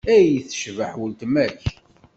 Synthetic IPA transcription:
æjəθə̥ʃvəħwəlt̪mæç

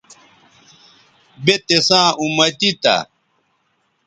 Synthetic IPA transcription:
bet̪esãːumɐt̪it̪ɐ̰

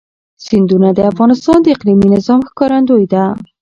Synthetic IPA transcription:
sind̪unad̪eafɣɑnɪst̪ɑnd̪eɪqliminɪzɑmxkɑɾand̪ojd̪a

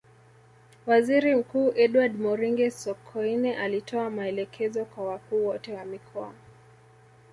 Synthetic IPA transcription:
waziɾim̩kuːʔɛɗwadmɔɾiŋɡɛsɔkʰɔinɛʔalitʰɔamaɛlɛkʰɛzɔkwawakuːwɔtɛwamikʰɔa̰

